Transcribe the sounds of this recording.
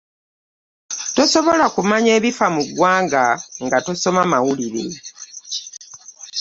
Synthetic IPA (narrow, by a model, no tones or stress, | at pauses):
to̞so̞βo̞lakumaɲe̞ːβifamuɡwaːŋɡaŋɡato̞so̞mamawuliɾe̞̰